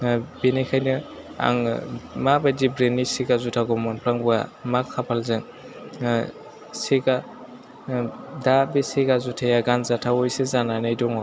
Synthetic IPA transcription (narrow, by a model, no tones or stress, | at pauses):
binakʰajnɯ | a̰ŋmabadibɾenisiɡazutʰaɡɔmɔnpʰɾaŋbua̰makʰːapʰalzɯŋ | siɡa | dabeseɡazutʰajaɡanzatʰawɔjsezananɯjdɔŋɔ